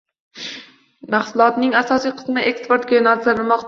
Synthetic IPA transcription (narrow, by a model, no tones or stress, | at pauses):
mahsʊlˠɒt̪nɪŋasɒsijqʰɨ̥smɪʔe̞kspoɾt̪̚ɡʲajɪnɒzaɾɪlˠmɒqt̪ʰ